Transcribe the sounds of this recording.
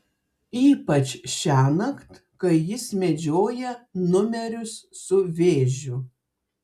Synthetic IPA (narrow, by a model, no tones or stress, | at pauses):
iːpɐt͡ʃʲʃʲæːnɐkt̪ | kɐɪjɪsmʲɛd͡ʒʲoːjɛnʊmʲɛɾʲʊsːʊʋʲeːʒʲʊ